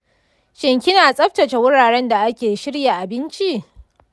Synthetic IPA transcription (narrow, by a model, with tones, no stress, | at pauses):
ʃɪ˨ŋkʲɪ˦naː˨sʼɐ˦ɸtɐ˨t͡ʃe˨wʊ˦ɽaː˨ɽɛ˦nda˨ʔa˦kʲeː˨ʃɪ˦ɽja˨ʔa˨bɪ˦nt͡ʃi˦ʔ